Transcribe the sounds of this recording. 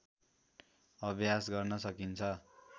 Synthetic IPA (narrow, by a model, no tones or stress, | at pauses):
ʌbʱjasɡʌrnʌsʌkint͡sʰʌ